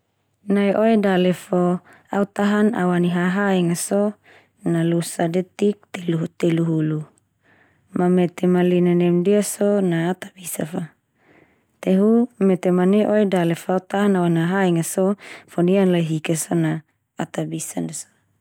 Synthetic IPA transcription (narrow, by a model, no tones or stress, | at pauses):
naiʔoedalefo | aut̪aɦana̰waniɦaɦaiŋaso | nalusadet̪ik̚t̪elut̪eluɦulu | mamet̪emalinanɛmdiasonaːt̪abisafa | t̪eɦumet̪emaneʔoedalefoaut̪aɦanawaniaɦaiŋasofonianlajɦikesonaː | t̪abisandeso̥